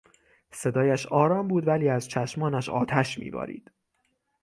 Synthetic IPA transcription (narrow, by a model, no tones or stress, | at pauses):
se̞d̪ɒːjæʃɒːɾɒːmbuːd̪væliːæzt͡ʃʰæʃmɒːnæʃɒ̰ːt̪ʰæʃmḭːbɒ̰ːɾḭːd̪̥